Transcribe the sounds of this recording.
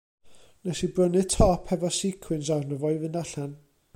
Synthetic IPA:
nɛsibrənɨðtʰɔpʰhɛvɔsikʰwɨnsarnəvɔɨvɨndaɬan

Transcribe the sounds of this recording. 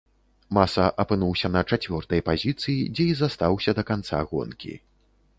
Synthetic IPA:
masɐʔɐpɨnuwsʲɐnɐt͡ʂat͡sʲvʲɔrt̪ɐjpazʲit̪sɨjid͡zʲɛizast̪awsʲɐd̪ɐkant̪sa̰ɣɔ̰nkʲḭ

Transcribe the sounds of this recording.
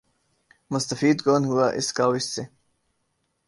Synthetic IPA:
mʊst̪əfiːd̪koːnɦuwaʔɪ̰skaːwɪsse

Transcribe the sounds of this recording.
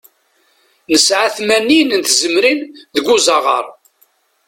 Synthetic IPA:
nəsʕaθmænːinənt̪zəmɾinðəɡʷuzɑʁə̰ɾˤ

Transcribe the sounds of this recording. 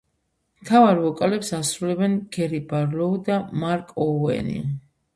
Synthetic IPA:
mt̪ʰavaɾvɔkʼalɛpsasɾulɛbɛnɡ̥ɛɾibaɾlɔd̪amaɾkʼɔɛ̰nḭ

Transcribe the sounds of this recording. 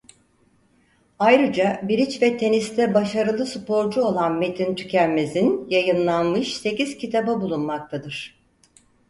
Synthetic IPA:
ajɾɯd͡ʒabiɾit͡ʃvɛt̪ʰe̞nist̪ʰɛbaʃaɾɯlˠɯsɯpo̞ɾd͡ʒuo̞lˠanmet̪ʰint̪ʰy̥cʲælʲme̞zinjajɯnlˠanmɯʃse̞ciz̥cʰit̪ʰababulˠunmak̚t̪ʰad̪ɯɾ̥

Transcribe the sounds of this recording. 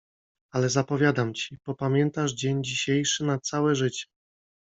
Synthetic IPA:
alɛzapɔvʲjad̪amt͡ɕipɔpamʲjɛnt̪aʐd͡ʑeɲd͡ʑiɕejʂɘnat̪sawɛʐɘt͡ɕɛ̥

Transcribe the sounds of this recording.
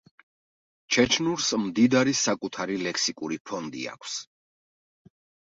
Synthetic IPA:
t͡ʃʰɛt͡ʃʰnuɾsmd̪id̪aɾisakʼut̪ʰaɾilɛkʰsikʼuɾipʰɔnd̪ḭa̰kʷʰs

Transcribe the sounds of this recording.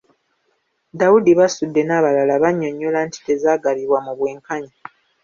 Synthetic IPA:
dawudiβasudːe̞naːβalalaβaɲːoɲːolaːntʰi̥te̞zaːɡaliβwamuβwe̞ːŋkaɲa

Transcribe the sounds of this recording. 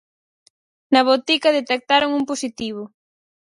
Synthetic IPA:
nɐβot̪ikɐðet̪ek̚t̪aɾoŋumposit̪iβ̞ʊ

